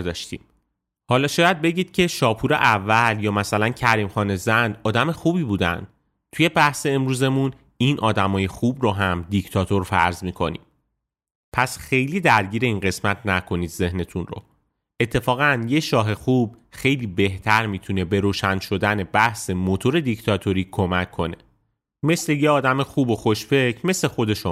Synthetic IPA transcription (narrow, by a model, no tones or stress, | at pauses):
d̪ɒːʃt̪ḭːm | hɒːlɒːʃɒːjæd̪̚be̞ɟiːd̪̥̚cʰe̞ʃɒːpʰuɾe̞̰ʔævːæljɒːmæsælæncʰæɾiːmxɒːne̞zænd̪ɒːd̪æme̞xuːbiːbuːd̪æ̰nd̪̥ | t̪ʰuje̞bæhse̞ːmɾuːze̞mun | iːnʔɒːd̪æmɒːje̞xubɾoɦæmd̪ict̪ʰɒːt̪ʰo̞ɾfæ̰ɾzmiːkʰo̞̰nḭːm | pʰæsxe̞jliːd̪æɾɟiːɾe̞iːnɢe̞smæt̪ʰnækʰo̞niːd̪ze̞hne̞t̪ʰunro̰ | et̪ʰːe̞fɒːɣænje̞ʃɒːɦe̞xub̚xe̞jliːbe̞ht̪ʰæɾmit̪ʰune̞be̞ɾoːʃænʃo̞d̪æne̞bæhse̞mot̪ʰo̞ɾe̞d̪ict̪ʰɒt̪ʰo̞ɾiːkʰo̞mæcʰːo̞ne̞̰ | me̞sle̞jeɒːd̪æmexuːbo̞xo̞ʃfe̞cʰme̞sle̞xo̞d̪e̞ʃo